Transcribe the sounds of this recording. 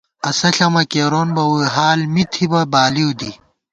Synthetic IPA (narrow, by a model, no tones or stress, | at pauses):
ɐsɐɬɐmɐkeːɾonbɐwujɦaːlmit̪ʰibɐbaːliwd̪i